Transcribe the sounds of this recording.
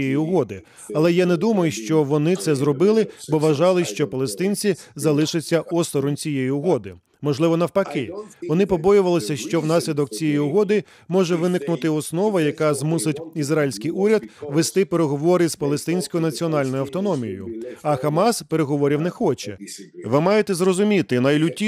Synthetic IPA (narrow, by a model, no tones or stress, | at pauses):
jɛjiʊɦɔd̪ɪ | ɐlˠɛjanɛd̪umɐjʊʃt͡ʃɔʋɔnɪt̪sɛzrɔbɪlˠɪbɔʋɐʒɑlˠɪʃt͡ʃɔpɐlˠest̪ɪnʲt͡sʲizɐlˠɪʃɪt͡sʲːɐʔɔst̪ɔɾʊmt͡sʲijejiʊɦɔd̪ɪ | mɔʒlˠɪʋɔnɐwpɐkɪʋɔnɪpɔbɔjʊʋɐlˠɔsʲɐʃt͡ʃɔwnɑsʲlʲid̪ɔk̚t͡sʲijɛjiʊɦɔd̪ɪ | mɔʒɛʋɪnɪknʊt̪ɪɔsnɔʋɐjɐkɑzmusɪtʲizrailʲsʲkɪjuɾʲɐd̪ʋest̪ɪpeɾeɦɔʋɔɾɪzpɐlˠest̪ɪnʲsʲkɔjʊnɐt͡sʲiɔn̪ɑlʲnɔjʊɐwt̪ɔnɔmʲijɔ̰jʊ̰ɐxɐmɑspeɾe̞ɦɔʋɔɾʲiwnɛxɔt͡ʃɛʋɪmɑjet̪ɛzrɔzʊmʲit̪ɪnɐjlʲʊtʲːi